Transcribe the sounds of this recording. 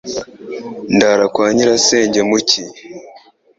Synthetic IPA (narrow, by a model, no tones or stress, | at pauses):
ndaɾakwaːɲiɾaseːɲɟemuci